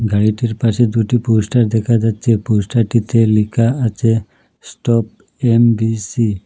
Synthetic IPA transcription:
ɡʱaɭiʈiɾpased̪uʈipusʈaɾd̪ekʰad͡ʒat͡ʃʰeposʈaʈit̪elikʰaat͡ʃe | sʈɔp̚ | embisi

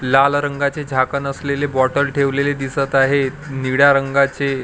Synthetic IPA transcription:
lalɾəŋɡat͡sed͡ʑʱakənəslelebɔʈəɾʈʰeʋleled̪isət̪aɦe | niɽjaɾəŋɡat͡se

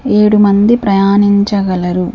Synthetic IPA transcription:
e̞ːɽumɐnd̪ipɾɐjaːniɲt͡ʃɐɡɐlɐɾu

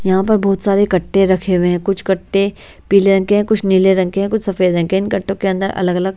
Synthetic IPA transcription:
jɐɦãpɐɾbɔːt̪saːɾekɐʈːeɾɐkʰewẽɦɛ̃kʊt͡ʃʰkɐʈːe | piːleɾɐ̃ŋkeɦɛ̃kʊt͡ʃʰniːleɾɐ̃ŋkeɦɛ̃kʊt͡ʃʰsɐfeːd̪ɐ̃ŋkeɪnkɐʈːõkeɐ̃nd̪əɾɐ̰ləɡɐləɡ̚

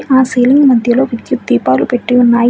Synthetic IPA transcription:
ʔaːseːliŋɡmɐd̪ʱjɐlo̞ːʋɐt̪jut̪̚d̪iːpaːlupeʈːiunːaːj

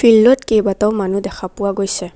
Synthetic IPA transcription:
fʰilːɔtkejbataʊmanud̪ɛkʰapuwaɡojsɛ

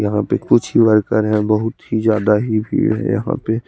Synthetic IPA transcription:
jɐɦãpekʊt͡ʃʰiʋɐɾkəɾɦɛ̃bɐɦʊt̪ɦizjaːd̪aɦibʱḭɦɛ̰jɐ̰ɦã̰pe

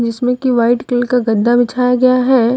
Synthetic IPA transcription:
d͡ʒɪsmẽkiʋaːɪʈkɪlkaɡɐd̪ːabɪt͡ʃʰaːjaɡɐjaɦɛː

